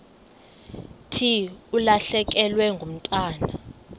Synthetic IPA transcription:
tʰiulaɬɛk̬ɛlwɛŋɡʱom̩tʼaːna

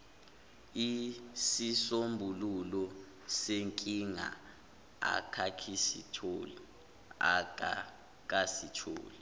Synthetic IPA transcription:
isisombʱululɔ | seŋkʼiŋa̰ | a̰kʰakʰisḭtʰoːli | a̰k̬a | k̬asitʰo̰ːli

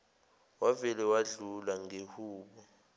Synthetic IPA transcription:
wavɛlɛwaɮulaŋehuːɓɔ

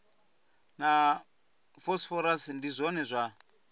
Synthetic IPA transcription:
na | fɔsfɔɾasndizʷɔnɛzʷa

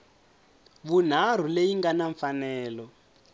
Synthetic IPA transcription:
βun̤ar̤ulejiŋɡanaɱfanɛːlɔ

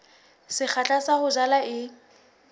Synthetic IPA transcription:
sɪk͡xʰat͡ɬʼasahʊd͡ʒalaɪ

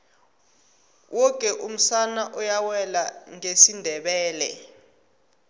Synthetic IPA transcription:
wʔɔkʼɛʔum̩sanaʔɔjawɛlaŋesindʱɛɓɛːlɛ̰

